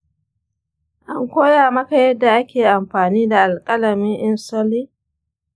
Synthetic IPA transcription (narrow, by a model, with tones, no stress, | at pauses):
ʔa˦ŋkʷoː˦jaː˨mɐ˦ka˨jɛ˦dːa˨ʔa˦kʲeː˨ʔa˨mɸaː˨niː˦da˨ʔa˨lkʼɐ˦lɐ˨mɪ˦ŋʔɪ˦nsɔ˦liː˦